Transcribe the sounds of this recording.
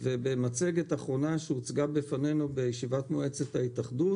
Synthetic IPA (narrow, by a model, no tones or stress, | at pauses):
ve̞bemat͡se̞ɡet̪aχʁo̞naʃeut͡sɡabefane̞nube̞jeʃivat̪moe̞t͡set̪haitaχdut